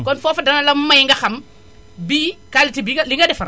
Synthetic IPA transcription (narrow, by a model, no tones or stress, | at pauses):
kɔnfofadanalamajŋɡaxam | biːkalitibiliŋɡaɗɛfaɾ